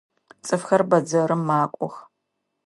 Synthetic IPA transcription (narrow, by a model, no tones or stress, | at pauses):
t͡sʼɨfxɐrbɐd͡zɐɾɨmːaːkʷʼɔ̰x